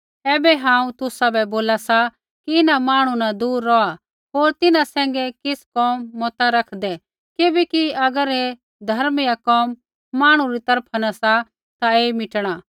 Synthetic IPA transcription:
ɛːbɛɦãːũt̪ʊsabɛboːlasa | kiɪnamaːɽ̃ũnad̪uːɾːɔa | ɦoːɾt̪ɪnãsɛ̃ːŋ̆ɡɛkɪskɔːmːɔt̪aɾɐkʰd̪ɛ | kɪbɛkiɐɡəɾe | d̪ʱɐɾmɪjakɔːmː | aːɽ̃ũɾit̪ɐɾpʰanasa | t̪aeːmɪʈɽ̃aː

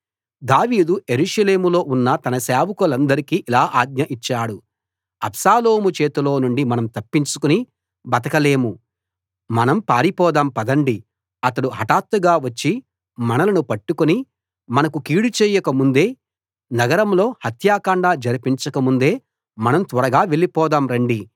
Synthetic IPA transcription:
d̪aːʋiːd̪uje̞ɾuʂɐle̞ːmulo̞ːʔunːɐt̪ɐnɐsaːʋukɐlɐnd̪ɐɾikiːʔilaːʔaːɡ̚ɲɐʔit͡ʃːaːɽu | ɐ̰psaːloːmut͡ʃeːt̪ulo̞ːnuɳɖimɐnɐmt̪ɐpːiɲt͡ʃukuni | bɐt̪ɐkɐle̞ːmu | mɐnɐmpaːɾipɔːd̪ɐmpɐd̪ɐɳɖi | ɐt̪ɐɽuɦɐʈaːt̪ːuɡaːʋɐt͡ʃːi | mɐnɐlɐnupɐʈːukuni | mɐnɐkukiːɽut͡ʃɛːjɐkɐmund̪e̞ː | nɐɡɐɾɐmlo̞ːhɐt̪jaːkɐɳɖaːd͡ʒɐɾipiɲt͡ʃɐkɐmund̪e̞ː | mɐnɐmt̪ʋɐɾɐɡaːʋelipɔːd̪aːmɾɐɳɖi

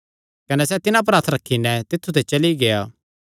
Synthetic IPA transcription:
kɐnɛsɛt̪ɪnãp̬ɐɾaːt̪ʰɾɐkʰːinɛt̪ɪt̪ʰːut̪ʰet͡ʃɐliɡeaː

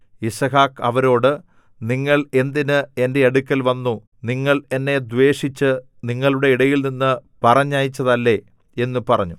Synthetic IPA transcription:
isɐɦaːkɐʋɐɾo̞ːɽɨ | niŋːɐɭe̞nd̪inɨe̞nde̞ɐɽukʲːɐlʋɐnːu | niŋːɐɭe̞nːe̞d̪ʋe̞ːʂit͡ɕːɨ | niŋːɐɭuɽe̞iɽɐjilninːɨpɐrɐɲːaːjit͡ɕːɐðɐlːe̞ | e̞nːupɐrɐɲːu

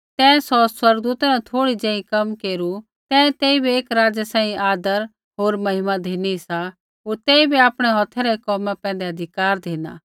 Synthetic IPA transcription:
t̪ɛ̃ːsɔswɐɾɡd̪uːt̪anãt̪ʰoːɽid͡ʒɛ̃ːĩkɐmkeːɾu | t̪ɛ̃ːt̪eːibieːkɾaːd͡ʒasãːĩaːd̪əɾ | ɦoːɾmɐɦɪmad̪ʱeːnisa | ɦoːɾt̪ɛːibiaːpɽ̃ɛɦɔt̪ʰɛɾɛkɔːmãpɛ̃ːnd̪eɐd̪ʱɪkaːɾd̪ʱeːna̰ː

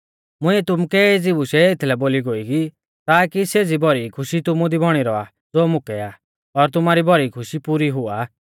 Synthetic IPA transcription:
mʊ̃iɛt̪ʊmukɛd͡zibuʃɛet̪ʰlɛboːliɡoːiki | t̪aːkiseːd͡zibɔɾikʰʊʃit̪ʊmud̪ibʱɔɽ̃iɾɔa̰ | d͡zoːmʊkɛa | ɔɾt̪̬ʊmaɾibɔɾikʰʊʃipuɾiɦʊaː

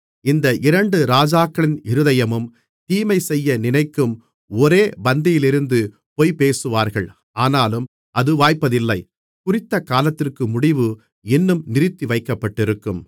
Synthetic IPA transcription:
ɪnd̪ɐʔɪɾɐɳɖɯɾaːd͡ʒaːkːɐɭɪnɪɾɯðɐjɐmɯm | t̪iːmɐɪsɛjːɐnɪnɐɪkːɯm | ɔɾeːbɐnd̪ɪjɪlɪɾɯnd̪ɯ | poːɪpeːsɯʋaːɾɣɐɭ | aːnaːlɯm | ʔɐðɯʋaːjpːɐðɪlːɐɪ | kʊrɪt̪ːɐkaːlɐt̪ːɪrkɯmʊɽɪʋɯ | ɛnːɯmnɪɾɪt̪ːiʋɐɪkːɐpːɐʈːɪɾɯkːɯm

